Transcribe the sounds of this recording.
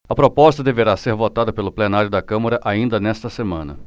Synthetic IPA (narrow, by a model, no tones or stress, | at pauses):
ɐpɾopɔst̪ɐd̪eveɾaseɾvot̪ad̪ɐpelʊplenaɾjʊd̪ɐkɐ̃mɐɾɐʔaĩnd̪ɐnɛst̪ɐsemɐ̃nɐ̰